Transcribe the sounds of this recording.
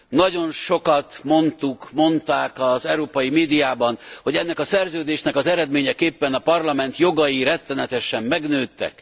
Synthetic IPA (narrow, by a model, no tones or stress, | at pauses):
nɒɟo̞nʃo̞kɒt̪mo̞nt̪ukmo̞nt̪aːkɒzɛwɾoːpɒjimeːd̪ijaːbɒnho̞ɟɛnːɛkɒsɛrzøːd̪eːʃnɛkɒzɛɾɛd̪meːɲɛkeːpːɛnɒpɒrlɒmɛnt̪jo̞ɡɒjiɾɛt̪ːɛnɛt̪ɛʃɛmːɛɡnøːt̪ːɛ̰k